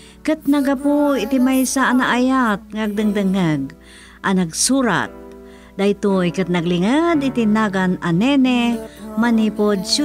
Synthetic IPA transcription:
kɨt̪̚naɡapuɪt̪imajsaʔːnaʔajat̪̚ŋaɡ̚d̪ɨŋd̪ɨŋəɡ̚ | ʔanaɡsuɾa̰t̪̚ | d̪ait̪ojkɨt̪̚naɡlɪŋəd̪ɪt̪inaɡananɛnɛmanipod̪su

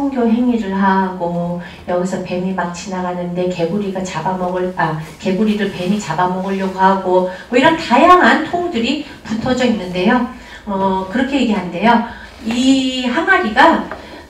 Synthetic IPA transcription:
tʰoŋɡjoɦe̞ŋiɾɯɭɦaɡom | jʌɡisʰʌpe̞mimak̚t͡ɕinaɡanɯnde̞ke̞ɡuɾiɡat͡ɕabamʌɡɯɭake̞ɡuɾidɯpe̞mit͡ɕabamʌɡɯɭjoɡoɦaɡomʌiɾʌntajaŋɦantʰoŋudɯɾi | putʰʌd͡ʑʌinːɯnde̞jo | ʌkɯɾʌkʰe̞jeɡeɦande̞jo | iɦaŋaɾiɡa

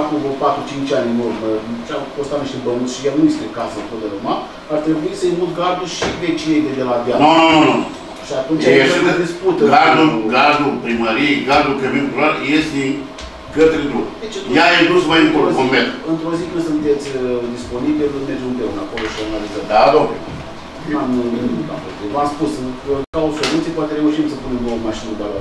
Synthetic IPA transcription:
akuvupat̪ɾut͡ʃint͡ʃʲanʲenurmət͡ʃafost̪at̪niʃt̪ebənut̪sʃijanujest̪ekasəmpod̪eluma | art̪ɾe̞buisəimut̪ɡard̪uʃivet͡ʃijejd̪ed̪elad̪jan | ʃiat̪unt͡ʃt͡ʃaeed̪isput̪əɡaʒd̪uɡazd̪upɾiməɾijeɡazd̪ukemikulaɾjest̪e | kət̪ɾed̪ɾup̪et͡ʃet̪jajet̪umajiŋkokompet̪ɨnt̪ɾo̞zikɨsunt̪e̞t̪sʲəd̪ispo̞nibiilumerd͡ʒemunpeunako̞loʃianalizəmd̪ad̪o | amuemuka̰pot̪ɾivamspusɨkauso̞lut̪siepoat̪eɾe̞uʃimsəpune̞md̪oəmaʃinəd̪ala

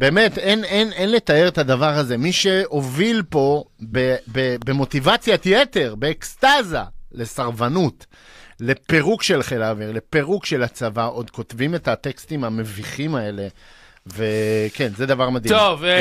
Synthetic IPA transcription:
beːmetenenenle̞t̪ae̞ʁet̪ad̪avaʁaze̞miʃe̞ovilpo̞bebebe̞mo̞t̪ivat͡sjat̪jet̪e̞ʁbe̞ːkst̪azale̞saʁvanut̪ | le̞pe̞ʁukʃe̞lχelaviʁle̞pe̞ʁukʃe̞lat͡savaʔo̞d̪ko̞tvime̞t̪at̪ekst̪imame̞viχimae̞le̞ | veke̞nzed̪avaʁmad̪iov

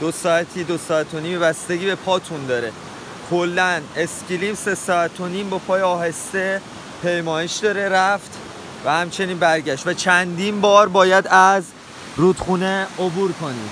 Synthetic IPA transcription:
d̪̥osɒːæt̪ʰiːd̪osɒːæt̪ʰo̞niːmebæst̪e̞ɟiːbe̞pʰɒːt̪ʰund̪ɒːɾe̞ | kʰo̞lːæne̞sciliːmse̞sɒːæt̪ʰo̞niːmbɒːpʰɒːjeɒːɦe̞st̪e̞ | pʰe̞jmɒːjeʃd̪ɒːɾe̞ɾæft̪ | væhæmt͡ʃʰe̞niːnbæɾɟæʃt̪væt͡ʃʰænd̪iːnbɒːɾbɒːjæd̪æz | rud̪̥xuːneobuːɾkʰo̞nḭd̪̥

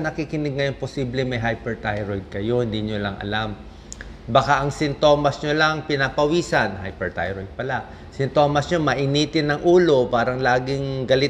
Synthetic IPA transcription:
nɐkiːkɪnɪɡ̚ŋɐjo̞nposiːblɪmɐjɦajpɛɹt̪ajɾojd̪̚kɐjo̞hɪnd̪iɲolɐŋɐ̰lam | bɐkaʔɐŋsɪnt̪o̞ːmɐsɲolɐŋpɪnapɐwiːsɐnɦajpɛɹt̪a̰jɾojd̪̚pɐla | sɪnt̪o̞ːmɐsɲomɐʔɪniːt̪ɪnːɐŋʔuːlo̞paːɾɐŋlaːɡɪŋɡɐlɪ

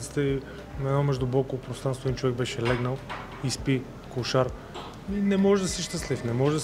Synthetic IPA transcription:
t̪si̥t̪ɛi | nɐɛd̪nɔmɛʒd̪ʊbɔkopɾofst̪ɾanst̪voɛd̪int͡ʃovɛɡ̚bɛʃɛlɛɡnəlˠ | ispi | kuʃaɾ | minɛmɔʒɛd̪ɐsiʃt̪əslifnɛmɔʒd̪ɐ

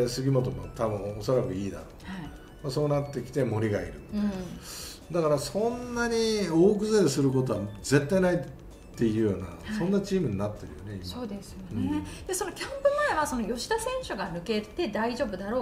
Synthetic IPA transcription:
sɨɡʲimo̞t̪omot̪abɯ̟̃o̞so̞ɾakɯ̟iːd̪a̰ɾohai | maso̞ːnat̪ːe̞kʲi̥t̪e̞mo̞ɾʲiɡa̰ḭɾɯ̟t̪ː | d̪akaɾasõ̞nːaɲ̟ioːk̬ɯ̟zeɾsɨɾɯ̟k̬o̞t̪o̞βaze̞t̪ːainai | t̪ːe̞ijɯ̟joːna̰sõ̞nːat͡ɕiːmɯ̟ɲ̟inat̪ːe̞ɾɯ̟jo̰neisoːd̪esɨjoñed̪̥eso̞nokʲãmpɯ̟maeβaso̞no̞jo̞ɕi̥d̪asẽ̞ɰ̃ɕoɡanɯ̟ke̞t̪e̞d̪aiʑo̞ːbɯ̟d̪aɾo̞ː

